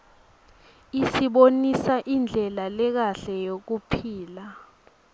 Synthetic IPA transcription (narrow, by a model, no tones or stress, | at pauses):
isiɓonisaʔind͡ɮʱɛlalɛk̬aɬɛjok̬upʰiːla